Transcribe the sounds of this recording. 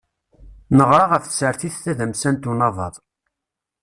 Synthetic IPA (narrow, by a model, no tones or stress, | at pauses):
nəʁɾˤɑʁəfθsəɾθiθθæðəmsænt̪unɑðˤɑ̰ðˤ